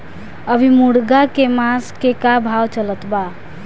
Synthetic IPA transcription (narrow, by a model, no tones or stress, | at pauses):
əbʱimuɽɡakemaskekabʱawt͡ʃələt̪ba